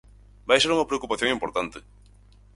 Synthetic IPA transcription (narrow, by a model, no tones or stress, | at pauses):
bajseɾuŋɐpɾeokupaθjõŋĩmpoɾt̪ant̪ɪ